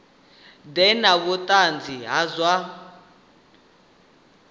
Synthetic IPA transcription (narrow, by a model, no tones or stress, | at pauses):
dɛnaβutʼand͡zʱiɦazwa